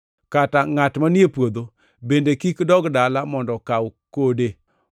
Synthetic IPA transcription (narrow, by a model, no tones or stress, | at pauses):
kataŋatmanɪepwod̪o | bendekikdɔɡdalamɔndɔkawkode